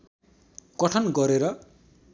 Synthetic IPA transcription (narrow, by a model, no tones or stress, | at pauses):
ɡ̥ʌʈʰʌnɡʌɾeɾʌ